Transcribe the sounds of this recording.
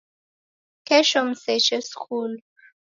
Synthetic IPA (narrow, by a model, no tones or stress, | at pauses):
kʰɛʃɔmsɛt͡ʃɛskʰul